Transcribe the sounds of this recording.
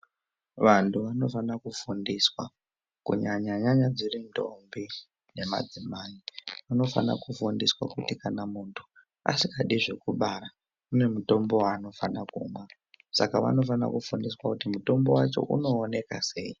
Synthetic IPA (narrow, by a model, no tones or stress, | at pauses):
ʋantʰuʋano̞fanakufundiswa̰ | kṵɲaɲaɲaɲad͡zirindʱo̞̰mbi | ne̞ma̰d͡zimaːiʋano̞fa̰na̰kufundiswa̰kutikanamuːntʰu̥ | a̰sikaɗiʐe̞kuɓaɾa | une̞muto̞mbo̞wano̞fanakṵmwa | sakaʋa̰no̞fana̰kufundiswakutimuto̞mbo̞wat͡ʃo̞̰ʔuno̞ːne̞ka̰se̞̰ːi